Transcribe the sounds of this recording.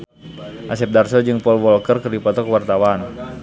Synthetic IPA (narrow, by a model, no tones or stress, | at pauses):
ʔasɛp̚darsɔd͡ʒɨŋpɔlwɔlkərkərdipɔt̪ɔkəwart̪awan